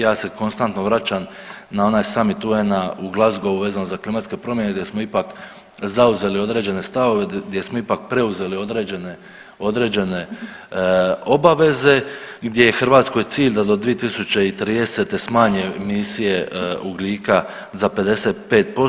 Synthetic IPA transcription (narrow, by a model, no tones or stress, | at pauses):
jaːse̞ko̞nst̪ant̪noʋɾat͡ʃam | nao̞naːjsamit̪uenauɡlˠazɡo̞ʋuʋe̞ːzanozaklimat̪ske̞pɾo̞mje̞neɡd̪je̞smoipak | zauze̞lio̞d̪ɾe̞ːd͡ʑe̞ne̞st̪aʋo̞ʋeɡd̪ʲje̞smoipak̚pɾe̞uze̞lio̞d̪ɾe̞ːd͡ʑene | o̞d̪ɾe̞ːd͡ʑe̞ne̞ | o̞baʋe̞ze̞ɡd̪ʲje̞jexr̩ʋaːt̪sko̞jt̪siːʎʲd̪ad̪o̞d̪ʋije̞t̪isut͡ɕeit̪ɾiːd̪e̞se̞t̪e̞smaːɲe̞misije̞uɡlʲiːka | zape̞d̪e̞se̞ːt̪̚pe̞ːt̪̚po